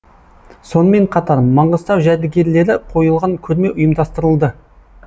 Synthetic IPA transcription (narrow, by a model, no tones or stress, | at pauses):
so̞nəme̞ɴqʰɑt̪ɑɾmɑɴʁəst̪ɑwʒæɾd̪ɪɡʲe̞ɾle̞ɾɪqʰo̞jəlˠʁɑŋkʲʰɵɾme̞ʔʊjəmd̪ɑst̪əɾəlˠd̪ə